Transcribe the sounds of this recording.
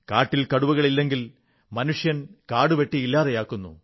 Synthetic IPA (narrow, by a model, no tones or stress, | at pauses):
kaːʈːilkɐɽuʋɐɣɐɭilːe̞ŋɡil | mɐnuʂjɐnkaːɽuʋeʈːiilːaːðejaːkːunːṵ